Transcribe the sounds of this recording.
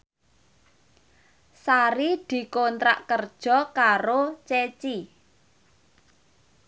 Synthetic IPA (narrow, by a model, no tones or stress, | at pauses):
saɾid̪̥i̤kont̪ɾa̰ʔkərd̥ʒ̥ɔ̤kaɾot͡ʃet͡ʃi